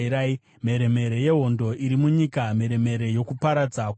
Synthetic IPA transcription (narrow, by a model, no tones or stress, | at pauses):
ɾai | m̤e̞ɾe̞me̞ɾe̞je̞ɦo̞ndo̞ʔiɾimuɲikame̞ɾe̞me̞ɾe̞jo̞kupaɾad͡zak